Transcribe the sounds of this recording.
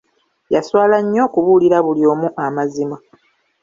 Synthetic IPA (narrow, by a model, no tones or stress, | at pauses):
jaswaːlaɲːo̞ːkuβuːliɾaβulio̞ːmuʔamazima